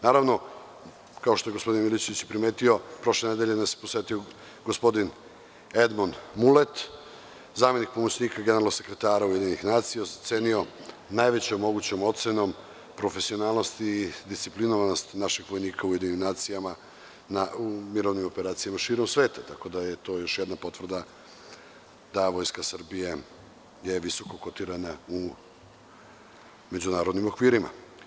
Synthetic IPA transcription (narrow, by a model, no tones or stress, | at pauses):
naːɾaʋno̞ | kao̞ʃt̪o̞jeɡospo̞d̪inmilit͡ɕe̞ʋit͡ɕjepɾime̞ːt̪io̞pɾo̞ʃlened̪eʎenamseposʋet̪io | ɡospo̞d̪in | ed̪monmulet̪ | zaːme̞nik̚pomot͡ɕniːkaɡeneɾalose̞kɾe̞t̪aːɾauje̞d̪inixnaːt̪sijazat̪seːnio̞ | najʋet͡ɕomːo̞ɡut͡ɕomo̞t̪seno̞m | pɾo̞fe̞sio̞naːlˠno̞st̪iːd̪ist̪iplinoʋano̞st̪naʃixʋo̞jniːkʰauje̞d̪iɲnimnaːt̪sijama | naumiɾoʋnimo̞peɾaːt̪sijamaʃiːɾo̞msʋe̞ːt̪at̪ako̞d̪aje̞t̪o̞ːjo̞ʃjed̪napo̞t̪ʋr̩d̪a | d̪aʋo̞jskasr̩bije | jeʋiso̞ko̞kot̪iɾanau | me̞d͡ʑunaːɾod̪nimo̞kʋiːɾima̰